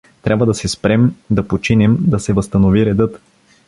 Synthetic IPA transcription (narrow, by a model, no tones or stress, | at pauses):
t̪ɾʲabvəd̪ɐsɛspɾɛmd̪ɐpot͡ʃinɛmd̪ɐsɛvɐst̪ɐnoviɾɛd̪ɤt̪